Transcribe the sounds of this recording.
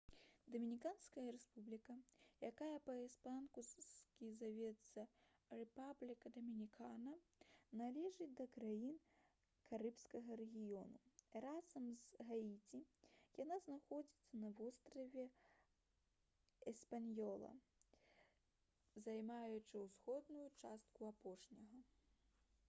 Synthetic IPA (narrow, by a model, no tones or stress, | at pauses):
d̪ɐmʲinʲikanskɐjɐɾɛspublʲikɐjakajɐpɐɛspankuskʲizavʲɛt̪sɐ | rɛpablʲikɐd̪ɐmʲinʲikʰanɐ | nalʲɛʐɨd̪ɐkɾajin | kaɾɨpskɐɣɐɾɛɣʲijɔnurazɐmzɣait͡sʲijanaznaxɔd͡zʲit̪sːɐnɐvɔst̪ɾɐvʲɛ | ɛspanʲjɔlˠɐ̰ | zajmajut͡ʂɨwsxɔd̪nujut͡ʂast̪̚kuapɔʂnʲɐɣɐ